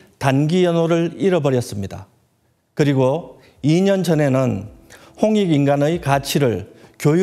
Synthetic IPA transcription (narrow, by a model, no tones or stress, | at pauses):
tanɡijʌnoɾɯɭiɾʌbʌɾjʌs͈ɯmɲida̰ | kɯɾiɡo | iɲʌnd͡ʑʌne̞nɯn | hoŋiɡinɡanɯjkat͡ɕʰiɾɯɭkjoj